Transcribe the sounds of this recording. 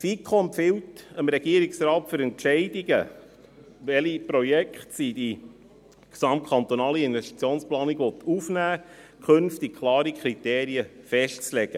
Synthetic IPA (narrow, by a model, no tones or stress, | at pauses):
fikʰːompfɪwtəmɾɛɡ̥iəɾiksɾɑːtføɾɛntʃɛɪdiɡə̰ | ʋɛlipɾojɛkχtsid̥i | ksɑmtkʰɑnt̪onɑːliɪnvɛʃti̥t͡sjoːnsplɑːniɡʋɔt̪ʰufnæː | kχɵnftik̚kʰlɑːɾikʰɾit̪eːɾiəfɛʃtt͡slɛɡ̥ə